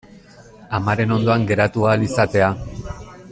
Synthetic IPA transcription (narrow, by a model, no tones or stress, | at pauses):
amaɾe̞no̞nd̪o̞aŋɡe̞ɾat̪uaːlisat̪e̞a